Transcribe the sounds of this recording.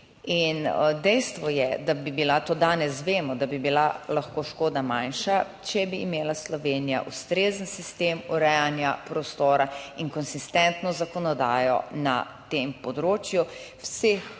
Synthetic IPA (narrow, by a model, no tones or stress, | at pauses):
ind̪ɛjst̪ʋɔjɛd̪abibilat̪od̪aːnɛsʋeːmɔd̪abibilalaxkoːʃkoːd̪amanʃa | t͡ʃɛbiːmeːlaslɔʋeːnija̰ʔust̪ɾeːzənsist̪eːmuɾɛjanjapɾɔst̪oːɾaiŋkɔnsist̪ɛnt̪nɔzakɔnɔd̪aːjɔ̰na̰ | t̪empɔd̪ɾoːt͡ʃjuwse